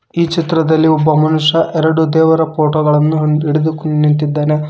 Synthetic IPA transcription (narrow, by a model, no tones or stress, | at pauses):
iːt͡ʃit̪ɾɐd̪ɐlːiɔbːɐmɐnuʂɐʔɛɾɐɽud̪ɛːʋɐɾɐpoːʈoːɡɐɭɐnːuiɽed̪ukuint̪id̪ːeːne